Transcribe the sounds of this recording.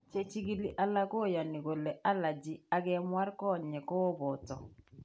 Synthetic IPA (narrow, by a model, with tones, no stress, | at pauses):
t͡ʃe˦t͡ʃi˦ɡi˦li˦ʔa˦la˦ko˦ja˨ni˨ɡo˨lɛ˨ʔa˦la˨d͡ʒi˨a˦ɡɛ˦mwa˦ɾkɔ˦˨ɲɛ˨ko˦bɔ˨tɔ˨